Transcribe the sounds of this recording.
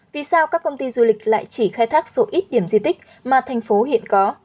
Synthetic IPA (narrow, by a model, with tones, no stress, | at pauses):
vi˨˩saː˧wkaː˦˥kːə˧wŋ͡mt̪i˧zu˧lï˨˩k̟̚la̰ː˧˨jt͡ɕi˧˩xaː˧jt̪ʰaː˦˥k̚so˨˦ʔi˦˥t̚ɗi˧˩əmzi˧t̪k̟̚ | maː˨˩t̪ʰɛ˨˩ŋ̟fo˨˦ɦḭ˧˨ənkɔ˨˦